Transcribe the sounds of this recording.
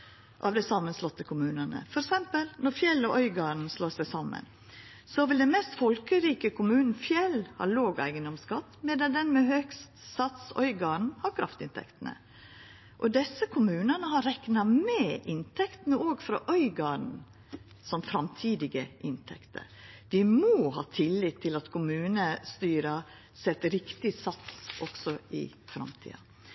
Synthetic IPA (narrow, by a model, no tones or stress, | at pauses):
ʔɑ̰ʋd̪æɪsɑmːənslɔt̪ːəkʰʊmʉːnənə̰fɔɾɛksɛmpəlnɔɾfjɛlːɔʔœʏɡɑːɳ̩sloːsæɪsɑmːə̰n | sɔʋɪld̪ɛnmɛːst̪fɔlkəɾiːkəkʰʊmʉːnn̩fjɛlhɑ̰loːɡæ̰ɪɡənd̪ɔmskɑt̪ːmeːd̪ɑd̪ɛnmɛhøkst̪sɑt̪sœ̰ʏɡɑːɳ̩hɑɾkʰɾɑft̪ɪnt̪ʰɛ̰kt̪ənə̰ | ʔɔd̪ɛsːəkʰʊmʉːnənəɦɑɾɛknɑmɛːʔɪnt̪ʰɛkt̪nəoːɡfɾɑ̰ʔœʏɡɑːɳ̩ | sɔmfɾɑmt̪ʰiːd̪ɪɡəʔɪnt̪ʰɛ̰kt̪ə̰ɾʋɪmoːhɑːt̪ʰɪlːɪt̪ʰːɪlɑt̪kʰʊmʉːnəst̪yːɾɑ | sɛt̪ːɾɪkt̪ɪsɑt̪sʔɔksɔʔɪ̰ | fɾɑ̰mt̪ʰḭːɑ̰